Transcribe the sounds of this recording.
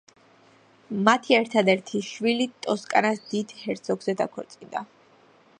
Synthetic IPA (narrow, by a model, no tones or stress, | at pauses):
mat̪ʰiɛɾt̪ʰad̪ɛɾt̪ʰiʃwilit̪ʼɔskʼanasd̪id̪hɛɾt̪sʰɔɡz̥ɛd̪akʰɔɾt̪sʼid̪a